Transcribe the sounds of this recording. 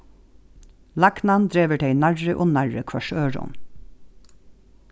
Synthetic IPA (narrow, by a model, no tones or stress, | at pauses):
lɑknɑnd̪ɹeːʋəʈʰeɪnæɹəʔoːnæɹəkʰʋɑʃøːɹʊ̰n